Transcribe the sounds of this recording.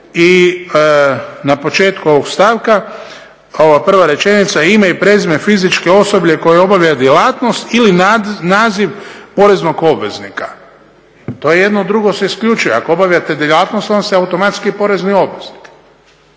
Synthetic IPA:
i | napo̞t͡ʃe̞ːt̪kuo̞ʋoɡst̪aːʋka | oʋapr̩ʋaɾe̞t͡ʃe̞nit̪saimaipɾe̞zmefizit͡ʃke̞o̞so̞bʎe̞ko̞jeobaʋjad̪jelaːt̪nost̪ilinaːziʋpo̞ɾe̞zno̞ɡo̞bʋe̞̰znikḁ | t̪o̞je̞je̞d̪nod̪ɾuɡoseiskʎʲut͡ʃujeakoobaʋjʲat̪ed̪elˠat̪nost̪onst̪iaut̪o̞mat̪skipo̞ɾe̞znio̞bʋe̞zni̥k

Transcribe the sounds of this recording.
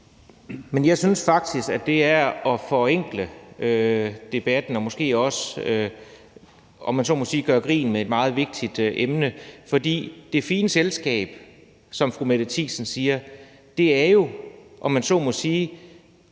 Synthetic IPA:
menjɑ̈ɪsynsfɑ̈ɡ̥̚d̥isɡ̥æd̥e̝æɐɒ̽fɒ̽eŋ̰ɡ̥ləød̥e̝b̥æd̥n̩ɒ̽mɒ̽sɡ̥e̝̰ːɒ̽sø | ɒ̽mːænsɒ̰mɔ̽siːɡ̥ɶːɐɡ̥ʁḭːn̩mee̝d̥mɑ̈ːð̞̩ˠʋe̝ɡ̥̚d̥id̥ʔemnəfɒ̽d̥ḭːd̥e̝fiːnəselsɡ̥ɛ̰ːb̥ | sɒ̽mfʁumed̥ət͡sʰḭːsn̩siːɐ | d̥e̝æɐjo̝ʔɒ̽mænsɒ̰mɔ̽siː

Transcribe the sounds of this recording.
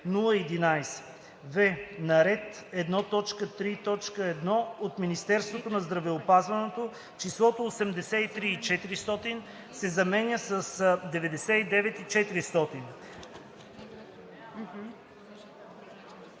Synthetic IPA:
nulˠəid̪inajsɛ̥ | vɛnɐɾɛt̪ɛd̪nɔt̪ɔt͡ʃkət̪ɾit̪ɔt͡ʃkəɛd̪nɔot̪minist̪ɛɾst̪vot̪onɐzd̪ɾɐvɛopazvɐnɛt̪o | t͡ʃislˠɔt̪oːsɛmd̪ɛsɛit̪ɾiːt͡ʃɛt̪iɾist̪ɔt̪in | sɛzɐmɛnʲəsəsd̪ɛvɛd̪ɛsɛid̪ɛvɛt̪it͡ʃɛt̪iɾist̪ɔt̪in

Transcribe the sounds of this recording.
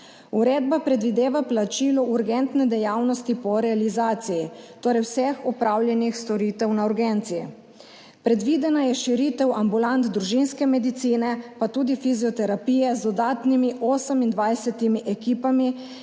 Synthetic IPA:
uɾeːd̪̚bapɾɛd̪ʋid̪eːʋaplat͡ʃiːlɔʔuɾɡɛnt̪nɛd̪ɛjaːwnɔst̪ipɔɾɛalizaːt̪sijit̪oːɾɛjwsɛxɔpɾʔaːwljɛnixst̪ɔɾiːt̪ɛwnauɾɡɛnt̪sijḭ | pɾɛd̪ʋiːd̪ɛnajɛʃiɾit̪ɛwambulant̪d̪ɾuʒinskɛmɛd̪it̪siːnɛpat̪uːd̪ifiziɔt̪ɛɾapiːjɛzd̪ɔd̪aːt̪nimiʔɔːsəmind̪ʋajsɛt̪imiʔɛkiːpami

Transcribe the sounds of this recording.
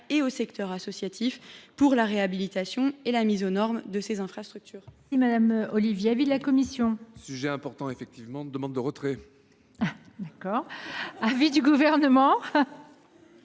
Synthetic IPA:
eosɛkt̪œʁasɔsjat̪ʰifpuʁlaʁeabilit̪asjɔ̃elamizonɔʁmd̪əsezɛ̃fχast̪χyk̚t̪yːʁsimad̪amɔlivjeavid̪əlakɔmisjɔ̃syʒɛɛ̃pɔʁt̪ɑ̃efɛk̚t̪ivmɑ̃d̪əmɑ̃d̪ːəʁət̪χɛ | d̪akɔːʁavid̪yɡuvɛʁnəmɑ̃

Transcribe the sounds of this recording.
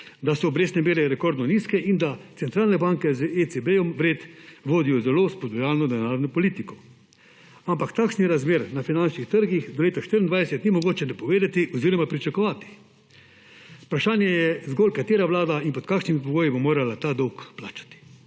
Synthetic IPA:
d̪asɔːbɾeːsnɛmeːɾɛɾɛkɔɾd̪nɔniːskɛʔind̪at̪sɛnt̪ɾaːlnɛbaŋkɛzet͡s̪ebejɔmʋɾeːt̪ʋoːd̪ijɔzɛloːspɔd̪ɔjaːlnɔd̪ɛnaːɾnɔpɔliːt̪ikɔ̥ | ampakt̪aːkʃniɾazmeːɾnafinant͡ʃnixt̪əɾɡixd̪ɔleːt̪aʃt̪iɾind̪ajsɛt̪nimɔɡoːt͡ʃɛnapɔʋeːd̪at̪iʔɔziːɾɔmapɾit͡ʃakɔʋaːt̪i̥ | pɾaʃaːnjɛjɛzɡɔːlkat̪eːɾaʋlaːd̪ainpɔt̪kakʃnimipɔɡoːjibomoːɾalat̪aːd̪ɔwkplaːt͡ʃḁt̪i̥

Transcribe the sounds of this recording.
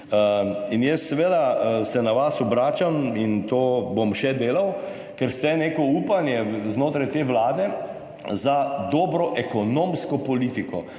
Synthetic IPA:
əinjɛst̪sɛʋeːd̪asɛnaʋasɔbɾaːt͡ʃamint̪oːbomʃɛd̪eːlaw | kɛɾst̪ɛneːkɔuːpanjɛznoːt̪ɾajt̪eːʋlaːd̪ɛ | zad̪ɔːbɾɔʔɛkɔnoːmskɔpɔliːt̪ikɔ

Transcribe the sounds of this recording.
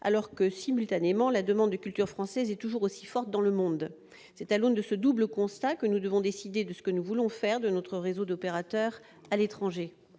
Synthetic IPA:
a̰lɔʁkəsimylt̪anemɑ̃lad̪əmɑ̃d̪ːəkʲylt̪yʁfχɑ̃sɛzɛt̪uʒuʁosi̥fɔʁt̪̚d̪ɑ̃ləmɔ̃d̪ | sɛt̪alond̪əsəd̪ubləkɔ̃st̪akənud̪əvɔ̃d̪esid̪ed̪əsə̥kənuvulɔ̃fɛʁd̪ənɔt̪χəʁezod̪ɔpeʁat̪œʁ | alet̪χɑ̃ʒe

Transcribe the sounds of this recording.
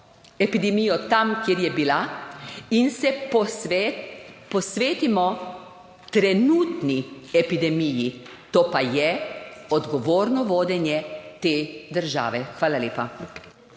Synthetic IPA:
ɛpid̪ɛmijɔt̪amkjeːɾjɛbila | insɛp | pɔsʋeːt̪imɔ | t̪ɾɛnuːt̪niɛpid̪ɛmiji | t̪oːpajɛɔd̪ɡɔʋoːɾnɔʋoːd̪ɛnjɛt̪eːd̪əɾʒa̰ːʋɛxʋaːlaleːpa

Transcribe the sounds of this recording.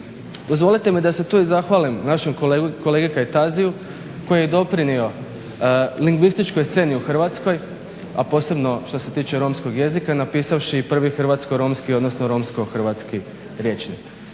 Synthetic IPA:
d̪ozʋo̞lit̪e̞mid̪ase̞t̪uːizaxʋalimnaʃemkoleɡikaet̪aziju | ko̞jjed̪o̞pɾinio̞ | liŋɡʋist̪it͡ʃkojst̪se̞ːniuxr̩ʋat̪sko̞j | apo̞ːse̞bno̞ʃt̪o̞se̞t̪iːt͡ʃeɾo̞msko̞ɡje̞zikanapiːsaʋʃipr̩ʋixr̩ʋat̪skoɾo̞ːmskio̞d̪nosnoɾo̞ːmsko̞xr̩ʋat̪ski | ɾje̞t͡ʃnik

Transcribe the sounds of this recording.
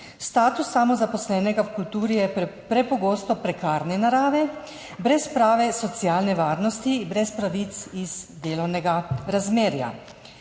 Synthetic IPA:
st̪aːt̪usːamɔzapɔslɛːnɛɡawkult̪uːɾijɛpɾɛpɔɡoːst̪ɔpɾɛkaːɾnɛnaɾaːʋɛ | bɾɛspɾaːʋɛsɔt̪sjaːlnɛʋaːɾnɔst̪ibɾɛspɾaʋit̪siz̥d̪eːlɔwnɛɡaɾazmeːɾja̰

